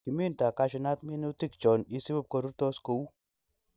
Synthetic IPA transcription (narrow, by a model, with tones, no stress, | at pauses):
ki˨mi˦nta˨ka˧ʃi˨na˦t̪mi˦nu˦t̪i˦kt͡ʃɔ˨ni˦si˦bu˦˨p̚ko˨ɾu˦ɾt̪ɔ˦sko˨u˦